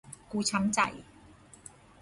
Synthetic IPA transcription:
kuː˧t͡sʰɐ˨˥mt͡sɐ̰˨˩j

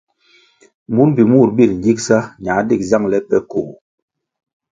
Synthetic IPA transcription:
mu˦nbi˨mu˦˨ɾbi˦˨ɾɲ̩˨d͡ʒi˦k̚sa˦ɲa˨˦di˦˨kza˦˨ŋlɛ˦pɛ˦ko˨

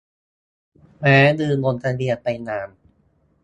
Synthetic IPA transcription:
mɛː˦˥dɯː˧ŋo˧nt̪ʰa˧ɾi˧˩ɐn̚pa˧jnaː˧˩m

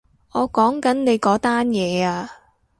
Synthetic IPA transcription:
ʔɔː˨˧kɔː˨˥ŋkɐ˨˥nne˨˧jkɔː˨˥t̪aː˥njɛː˨˧aː˧

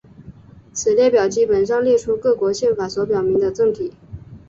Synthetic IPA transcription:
t͡sʰɹ̩˨˩ljɛ˥˩pjɑ˨˩ʊt͡ɕi˥pə˨˩nʂ̬ɑ˥˧ŋljɛ˥˧ʈ͡ʂʰu˥kɤ˥˩kwɔ˧˥ɕjɛ˥˩nfa˨˥swɔ˧˥pjɑ˨˩ʊmi˧˥ŋd̪ə˧ʈ͡ʂɤ˥˩ŋt̪ʰi˨˩˦

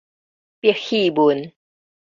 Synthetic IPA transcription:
pi˧˩əxi˥˧˩bu˨˦n

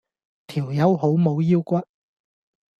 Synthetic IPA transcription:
t̪ʰiː˨˩wjɐ˨˥who˨˥wmo˨˧wjiː˥wkʷɐ˥t̚

